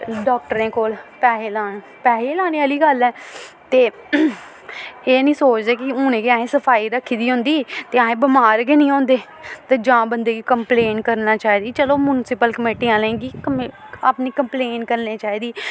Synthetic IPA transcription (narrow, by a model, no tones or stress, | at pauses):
ɖɔːk̚ʈəɾẽːkoːlpɛːɦeːlaːn | pɛːɦeːlaːñiːəːliːɡəlɛː | t̪eː | eːnĩːsoːt͡ʃd̪eːkɪʊñẽːɡiãːẽːsəpʰaːiːɾəkʰːiːd̪iːɦʊ̃nd̪iːt̪eːãːẽːbəmaːɾɡeːnĩːãːnd̪eː | t̪eːd͡ʒãːbənd̪eːɡiːkəmpleːnkəɾnaːt͡ʃaːiːd̪iːt͡ʃəloːmʊnsɪpəlkəmeːʈiːãːlɛ̃ːɡiːkəaːpniːkəmpleːnkəɾnẽːt͡ʃaːiːd̪iː